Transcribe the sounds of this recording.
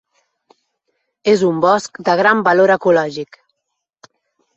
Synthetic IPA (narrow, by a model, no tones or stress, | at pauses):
ezumbɔskd̪əɣ̞ɾambəloɾəkulɔʒik